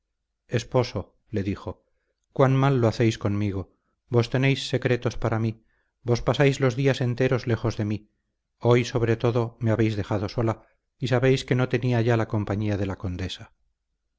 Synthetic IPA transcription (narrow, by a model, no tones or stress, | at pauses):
e̞spo̞so̞ | le̞ðixo̞ | kwanmalːoaθe̞jsko̞nmiɣ̞o̞ | bo̞st̪ene̞jsːe̞kɾe̞t̪o̞spaɾami | bo̞spasajzlo̞zðiase̞nt̪e̞ɾo̞zle̞xo̞zðe̞mi | o̞jso̞β̞ɾe̞t̪o̞ðome̞aβe̞jzðe̞xaðo̞so̞la | isaβe̞jske̞no̞t̪e̞niaʝalako̞mpaɲiaðe̞lako̞nd̪e̞sḁ